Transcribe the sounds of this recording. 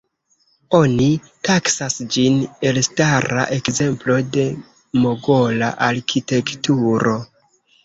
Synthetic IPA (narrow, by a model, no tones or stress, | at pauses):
o̞ni | taksasd͡ʒine̞lstaɾa̰ʔe̞kze̞mplo̞de̞ | mo̞ɡo̞la̰ʔaɾkʰite̞ktuɾo̞